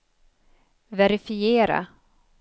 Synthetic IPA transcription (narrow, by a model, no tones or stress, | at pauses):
vɛɾɪfɪeːɾa̰